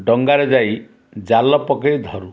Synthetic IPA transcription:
ɖɔŋɡaɾed͡ʒaj | d͡ʒalɔpɔkejd̪ʱɔɾu

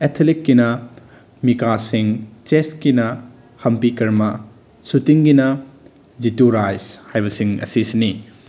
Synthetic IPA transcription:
etʰelikːinɐ | mikasiŋt͡ʃeskinɐ | hɐmpikɐɾmɐ | sutiŋɡinɐ | zituɾajshajbɐsiŋɐ̰sisini

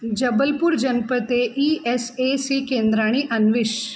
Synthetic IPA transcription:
d͡ʒɐbəlpʊɾd͡ʒɐnpət̪eʔiɛsesikẽːnd̪ɾaːɽ̃iʔɐnʋɪʃ

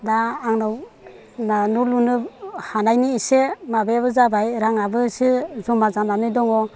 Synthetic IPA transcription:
daːŋnɔw | nanulunɯhanajniːsemabeβɯzabajɾaŋabɯsɯzumazananɯjdɔŋɔ

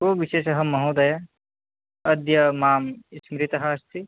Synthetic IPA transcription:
koːʋiʃeːʃɐɦɐmːɐɦuːd̪ɐja | ɐd̪jɐmaːmismɾit̪ɐɦaːst̪i

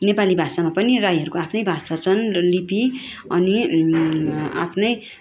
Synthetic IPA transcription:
nepalibʱasamapʌnirajɦʌɾukoapʰnʌjbʱasat͡sʰʌnlipi | ʌni | a̰pʰnʌj

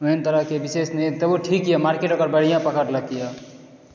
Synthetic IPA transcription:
uɦint̪əɾəɦkebisesnət̪əbuʈʰikːjamaɾkeʈokəɾbəɽ̤ijãpəkəʈləkija

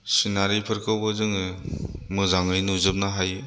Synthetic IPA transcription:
sinaɾipʰɯɾkʰɯwbɯzɯŋɯmɯzaŋɯjnuzɯp̚naɦaj

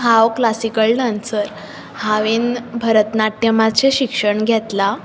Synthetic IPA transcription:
ɦawklasikəɭɖãnsəɾ | haʋinbʱəɾət̪naʈjəmat͡seɕikʂəɳɡʱɛt̪la

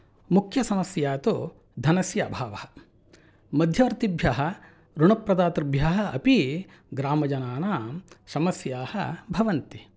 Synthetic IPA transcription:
mukʰjɐsɐmɐsjaːt̪u | d̪ʱɐnɐsjɐbʱaːʋɐhɐ̥̆ | mɐd̪ʱjɐʋɐɾt̪ibʱjaːɦɐ̆ | ɾuɳɐpɾɐd̪aːt̪ɾbʱjaːɦɐɐpi | ɡɾaːmɐd͡ʒɐnaːnaːsɐmɐsjaːhɐ̰bʱɐʋɐnt̪i

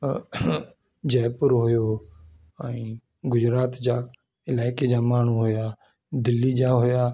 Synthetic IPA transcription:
d͡ʒɛːpʊɾɦoːjoː | aĩː | ɡʊd͡ʒɾaːt̪d͡ʒaː | ɪlaːɪkeːd͡ʒaːmaːnũːɦoːjaː | d̪ɪlːiːd͡ʒaːɦoːjaː

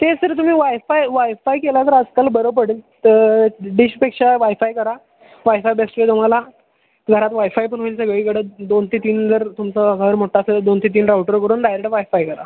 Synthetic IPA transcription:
t̪esəɾt̪um̤iːʋajfajʋajfajkelat̪əɾəd͡zkalbəɾəp̬əɽiːləɖiɕpekʂaʋajfajkəɾa | ʋajfajbesʈɾet̪um̤ala | ɡʱəɾat̪ʋajfajpəɳɦoilsəɡɭiːkəɽəd̪ont̪ʰit̪iːnd͡zəɾt̪umt͡səɡʱəəɾmoʈʰːasəd̪ont̪ʰit̪̬iːnɾawʈəɾkəɾuːnd̪ajɾeʈəʋajfajkəɾa̰

